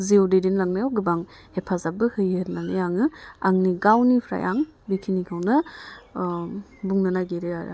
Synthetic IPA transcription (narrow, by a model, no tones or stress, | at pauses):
zeodedinlaŋnajawɡɯbaŋ | hepʰazabɯhɯjɯtnanajaŋɯaŋniɡawnipʰɾa̰jʔa̰ŋ | bikʰinikʰawnɐ | buŋnanajɡeɾeaɾ̰